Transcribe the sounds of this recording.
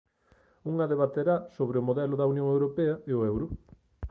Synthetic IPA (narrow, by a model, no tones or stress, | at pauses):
uŋɐðeβat̪eɾasoβɾeomoðɛlʊðɐunjõŋewɾopeɐeʊɛwɾʊ